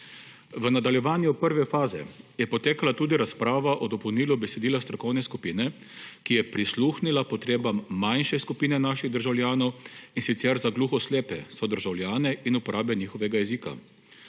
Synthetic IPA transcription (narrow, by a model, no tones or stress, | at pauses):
ʋənad̪aljɛʋaːnjupəɾʋɛfaːzɛ̰jɛpɔt̪eːkalat̪uːd̪iɾaspɾaːʋaʔɔd̪ɔpɔwniːlubɛsɛd̪iːlast̪ɾɔkɔwnɛskupiːnɛ | kijɛpɾisluːxnilapɔt̪ɾeːbamːajnʃɛskupiːnɛnaːʃiɣd̪əɾʒawljaːnɔwinsit̪sɛɾzaɡluːxɔsleːpɛsɔd̪əɾʒawljaːnɛinupɔɾʔaːbɛniːxɔʋɛɡajɛziːka̰